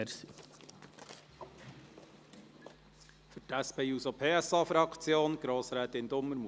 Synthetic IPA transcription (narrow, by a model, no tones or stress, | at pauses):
si | fʏtæspʰeːjuːsopʰeːɛsɑːfɾɑkʰt͡sjoːnɡ̥ɾoːsɾɛːt̪ɪnd̪ʊmːəɾmu